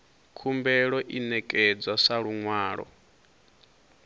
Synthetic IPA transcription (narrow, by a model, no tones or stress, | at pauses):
kʰumbɛɺɔʔinɛkʼɛd͡zasaɺuŋwaːɺɔ̰